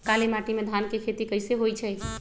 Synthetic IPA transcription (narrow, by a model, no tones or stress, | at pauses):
kalemaʈimed̪ʱankekʰet̪ikəjseɦojt͡ʃʰɛ